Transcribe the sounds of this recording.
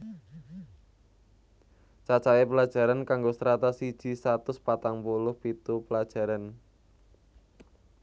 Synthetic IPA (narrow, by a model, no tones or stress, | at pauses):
t͡ʃat͡ʃawepəlad̥ʒ̥a̤ɾankaŋɡosɾat̪asid̥ʒ̥i̤sat̪ʊspat̪aŋpulʊhpit̪upəlad̥ʒ̥a̤ɾan